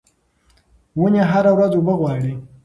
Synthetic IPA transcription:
wuneɦaɾawɾazobəɣwaːɽi

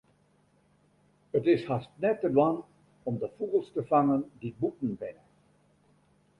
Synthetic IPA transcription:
ətɪshastnɛtədwɑn | ɔmdəfuɣəlˠstəvaŋəndibutn̩bɪnə

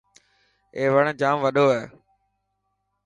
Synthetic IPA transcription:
eːʋəɳ̃d͡ʒaːmʋəɗoːɛː

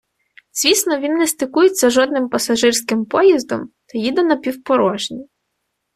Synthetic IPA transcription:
z̥ʲʋʲisnɔʋʲinːɛst̪ɪkujet͡sʲːɐʒɔd̪nɪmpɐsɐʒɪrsʲkɪmpɔjizd̪ɔ̰mt̪ɐjid̪ɛnɐpʲiwpɔɾɔʒnʲi

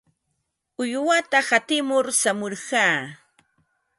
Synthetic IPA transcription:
ʊjwat̪ahat̪ɪmʊɾsamoɾɢaː

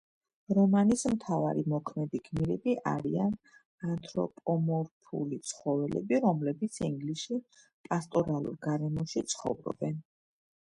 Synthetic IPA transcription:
ɾɔmanismt̪ʰava̰ɾimɔkʰmɛd̪iɡmiɾɛbiʔaɾian | ant̪ʰʼɾɔ̰pʼɔmɔɾpʰṵlit̪sʰχɔvɛlɛ̰biɾɔmlɛbit̪sʰiŋɡliʃi | pʼast̪ʼɔɾalˠṵɾɡaɾɛmɔʃit̪sʰχɔ̰vɾɔ̰bɛn

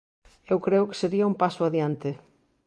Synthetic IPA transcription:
ewkɾeʊkɪ̥seɾiɐũmpasʊaðjant̪ɪ

